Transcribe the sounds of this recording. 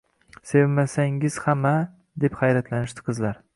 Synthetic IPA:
se̞vmasaŋɪz̥hama | d̪e̞pχajɾat̪lanɪʃt̪ɪ̥qʰɨzlaɾ

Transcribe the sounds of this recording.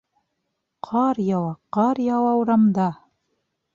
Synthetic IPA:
qʰɑɾjɑwˠɑqɑɾjɑwɑwɾɑmd̪ɑ

